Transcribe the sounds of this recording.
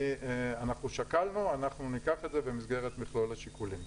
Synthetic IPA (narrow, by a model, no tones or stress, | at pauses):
anaχnuʃakalnuanaχnunikaχed̪zebemisɡe̞ʁet̪miχlo̞laʃikulim